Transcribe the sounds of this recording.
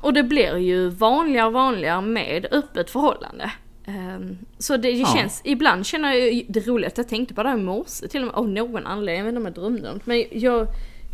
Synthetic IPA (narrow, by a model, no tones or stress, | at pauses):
ʔɔd̪ɛblɪɾjɵvɑːnlɪɡaɔvɑːnlɪɡamɛ̰ːd̪œpːət̪fœɾhɔlːa̰nd̪ə̰ | sɔd̪ɛd̪ɛɕɛnsɪbland̪ɕɛnːəɾjɑd̪ɛɾuːlɪɡast̪jɑt̪ʰɛŋkt̪ə̥pʰɔd̪ɛhæːɾmʊsət̪ʰɪlːmɛ̰ʔavnoːɡɔnʔa̰nleːd̪ɪ̃mɛɔmɛd̪ɾœmːd̪ʊ̰mt̪mɛnjɑːɡ